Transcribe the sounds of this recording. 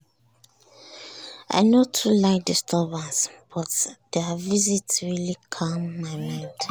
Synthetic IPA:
a̰ɪnotʰulaɪk̚distʰɔbə̃nsb̥ɔtd̥ɛvizitsɹilikʰamːaɪmãɪnd

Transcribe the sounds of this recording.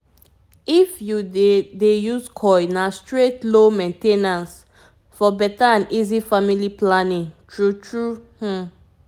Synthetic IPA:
ifjudejuzkʰɔjnastɹetlomɛ̃ntenãns | fɔbɛtaãnizifamiliplanĩŋtʰɹutʰɹuh̩

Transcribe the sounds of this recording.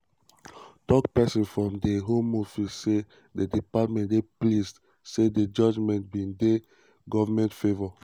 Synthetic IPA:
tɔkpɛsĩnfɹɔ̃mdeɦõmofisse | dedipatmɛ̃ndeplist | seded͡ʒɔd͡ʒmɛ̃nt̚bĩnde | ɡɔvamɛ̃ntfevɔ

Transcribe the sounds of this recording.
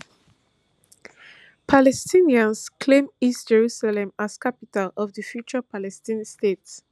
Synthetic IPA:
pʰalɛstʰĩniãnskʰlẽmistd͡ʒɛɹusalɛ̃maskapitalɔvðəfjut͡ʃəpʰalɛstĩnstets

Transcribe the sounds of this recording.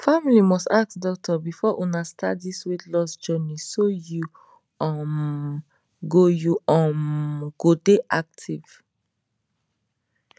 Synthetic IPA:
familimɔstak̚tdɔk̚tɔbifɔʔunasta̰tdiswitlɔsd͡ʒɔnisoju | ɔ̃m | ɡojuɔ̃mɡ̥odeʔak̚tʰiv̥

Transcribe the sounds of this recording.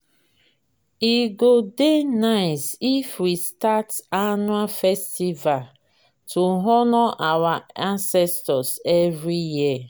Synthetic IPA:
iɡodenaɪsifwistatanuafɛstival | tʰuɦɔnɔʔawaãnsɛstɔsɛvɹiji

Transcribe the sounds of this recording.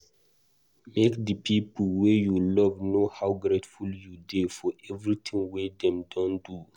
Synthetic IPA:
mekdəpʰipəlwejulɔvnohawɡɾetfuljudefɔʔɛvɹitʰĩŋwedɛ̃mdɔ̃ndu

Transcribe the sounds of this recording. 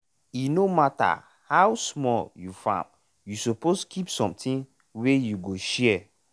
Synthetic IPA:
inomata̰ | hawsmɔljufã̰m | jusoposkʰipsɔ̰̃mtĩn | wejuɡoʃɛ

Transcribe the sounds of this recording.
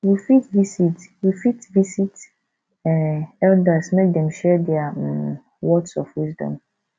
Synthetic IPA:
wifitvisitwifitvisit | ɛnɛldasmɛk̚dɛ̃mʃɛdɛa | wɔdsɔfwisdɔ̰̃m

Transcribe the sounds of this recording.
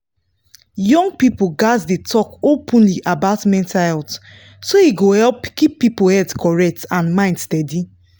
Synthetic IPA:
jɔ̃ŋɡ̚pipoɡazdetʰɔkopʰɔ̃nliʔabaʊtmɛ̃ntahɛlt | soiɡohɛlpkipːipohɛtkʰɔɹɛk̚tãnmãɪ̃ndstɛdi

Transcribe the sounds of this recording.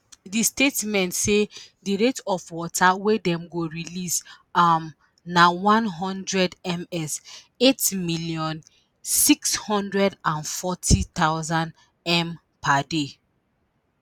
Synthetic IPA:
distetmɛ̃ntsediɹetɔfwɔtʰawedɛ̃mɡoɹilis | m | nawãnɦɔ̃ndɹɛdɛ̃mɛs | etmilijɔ̃n | sikshɔ̃ndɹɛdãnfɔtʰit̪aʊzãn | ɛ̃m | pade

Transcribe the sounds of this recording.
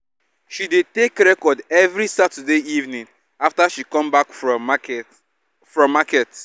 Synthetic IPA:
ʃidetekɾɛkɔdɛvɾisatɛdeivnĩŋ | aftaʃikɔ̃mbakf | fɹɔ̃mːakɛt

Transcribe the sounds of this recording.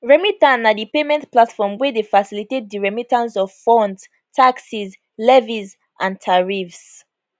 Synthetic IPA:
ɹɛmitãnadipemɛ̃ntplatfɔmwɛdefasilitet̚diɹɛmitãnsɔvfɔ̃nd | tʰaksiz | lɛviz | ʔãntʰaɹifs

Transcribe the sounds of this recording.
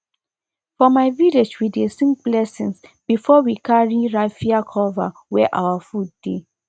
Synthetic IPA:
fɔmaɪviled͡ʒwidesĩŋk̚blɛsĩnsb̥ifɔwikʰaɹiɹaɪfiakʰɔvawɛʔa̰wafud̚ːe

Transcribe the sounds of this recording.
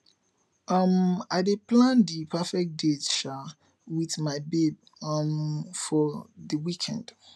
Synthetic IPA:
ʌmaɪdeplãndipʰɛfɛk̚detʃa | wiθmaɪbeb̚ | ʌmfɔðəwikʰɛ̰̃nd̥

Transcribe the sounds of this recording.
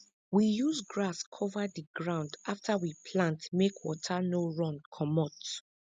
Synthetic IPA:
wijuzɡɹaskʰɔvadiɡɹãʊ̃ndaftʰawipʰlãntmekʰwɔ̰tʰanoɹɔ̃nkʰɔmɔt

